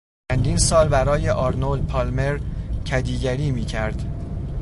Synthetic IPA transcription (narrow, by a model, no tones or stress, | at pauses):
ænd̪iːnsɒːlbæɾɒːje̞ʔɒːɾnolpʰɒːlme̞ɾcʰæd̪iːɟæɾiːmiːcʰæɾd̪̥